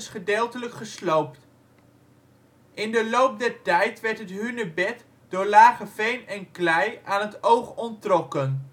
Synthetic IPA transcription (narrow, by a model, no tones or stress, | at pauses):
sχədeːlˠtələkχəslowp̚t | ʔɪndəlowp̚dɛɹtɛjtʋɛɹtɦətɦynəbɛt | d̥ʊːɹlaːχəfejnɛnklɛjaːnɦətowχɔntrɔkən